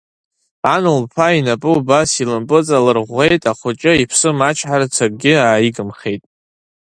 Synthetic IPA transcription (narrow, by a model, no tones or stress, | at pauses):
anɨlpʰainapʼɨubasilɨmpʼɨt͡sʼalɨrʁʷe̞jtʼaχʷʊt͡ʃʼɪipʰsɨmat͡ʃʰħaɾat͡sʰar̚ʼɡʲɪaːjiɡɨmχe̞jtʼ